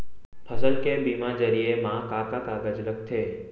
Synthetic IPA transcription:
pʰəsəlkebimãd͡ʒəɾijemãkakakaɡəd͡ʒlək̚ʰt̪ʰe

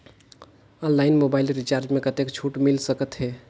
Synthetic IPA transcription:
ənlaɪnmobaɪlɾit͡ʃaɾd͡ʒmẽkət̪ekt͡ʃʰuʈmilsəkət̪ɦɛ

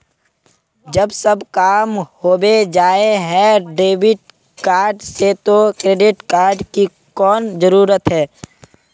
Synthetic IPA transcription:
d͡ʒəbsəbkaːmhoːbed͡ʒaːeɦɛ̃ɖeːbɪʈ̚ | kaːɾɖset̪okɾeːɖɪʈkaːɾɖki | kɔːnzəɾuːɾət̪ɦɛː

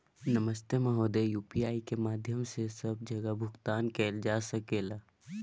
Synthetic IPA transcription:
nɐməst̪emɐ̃ɦoːd̪eːjuːpiaːikemaːd̪ʱjəmsesɐb̚d͡ʒʱɐɡəbʱʊɡt̪aːnkɛːld͡ʒaːsɐkeːlaː

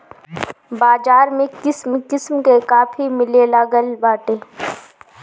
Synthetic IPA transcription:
baːd͡ʒaːɾmẽkɪsmkɪsmkekaːfʰimɪlelaɡəlbaːʈeː

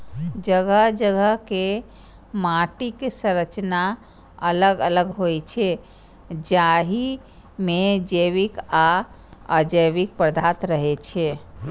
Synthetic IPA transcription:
d͡ʒəɡəɦd͡ʒəɡʱəɦke | maʈiksə̃ɾət͡ʃna | ələɡələɡɦojt͡ʃʰɛ | d͡ʒaɦi | med͡ʒəβika | əd͡ʒəjβik̚pɾəd̪ʱat̪ɾəɦet͡ʃʰɛ

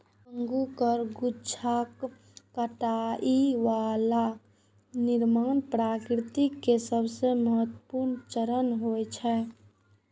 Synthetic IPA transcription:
ə̃ŋɡukəɾɡut͡ʃʰakː | əʈaʔiʋala | nɪɾmaːnpɾaːkɾɪt̪ikesəbʱseməɦət̪ːəpuɾnt͡ʃəɾənɦot͡ʃʰɛ

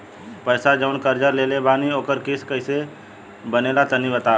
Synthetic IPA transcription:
pəːsad͡ʒəʊnkəɾd͡ʒəɾleːlebaːnioːkəɾkɪskəɪse | bəneːlat̪ənibət̪aː

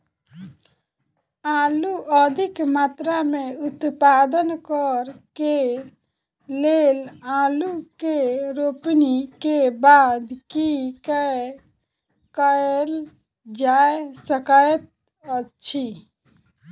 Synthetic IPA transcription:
aːluʔəd̪ʱikmaːt̪ɾameʊt̪paːd̪ənkɔɾke | leːlaːlukeɾoːpnikebaːd̪kikə | kəel | d͡ʒaesəkaet̪̚ | ət͡ʃʃʰi

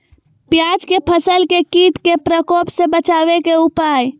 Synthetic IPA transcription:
pjad͡ʒkepʰəsəlkekiʈkepɾəkopsẽbət͡ʃaβekeupaj

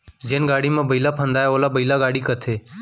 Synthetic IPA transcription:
d͡ʒeːnɡaːɽiːmãːbəiːlaːpʰə̃nd̪aːjaoːlaːbəiːlaːɡaːɽiːkət̪ʰeː

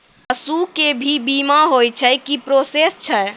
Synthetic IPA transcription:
əsukebʱibimaɦojt͡ʃʰəkipɾosest͡ʃʰɛ

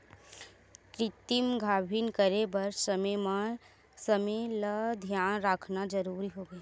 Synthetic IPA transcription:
tɾɪt̪imɡʱaːbʱiːnkəɾebɐɾsəmma | sɐmeləd̪ʱjaːnɾaːkʰnad͡ʒəɾuːɾiɦoːɡɐeː

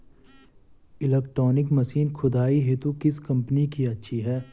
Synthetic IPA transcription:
ɪleːk̚ʈɾɔːnɪkmɐsiːnkʰʊd̪aːiɦet̪ukɪskɐ̃mpnikiɐtːʃʰiɦɛː

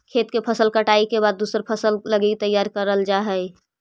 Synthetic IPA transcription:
kʰet̪kepʰəsəlkəʈaikebad̪̚ːusəɾpʰəsəlləɡit̪əjːaɾkəɾəld͡ʒaɦəj

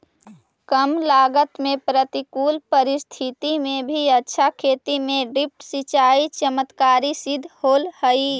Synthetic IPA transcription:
kəmlaːɡət̪mẽpɾət̪ikuːlpəɾɪst̪ʰɪt̪imẽbʱiətːʃʰakʰeːt̪imẽɖɪp̚ʈsit͡ʃaːit͡ʃəmət̪kaːɾisɪd̪ʱhoːlhəi

